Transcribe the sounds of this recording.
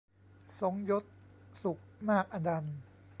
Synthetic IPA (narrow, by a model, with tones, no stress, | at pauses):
so˩˦ŋjo˦˥t̪̚su˨˩k̚maː˥˩k̚ʔa˧da˧n